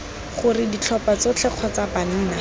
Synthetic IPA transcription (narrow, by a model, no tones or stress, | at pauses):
χʊrɪdit͡ɬʰɔpat͡sot͡ɬʰɛq͡χʰɔt͡saban̩ːna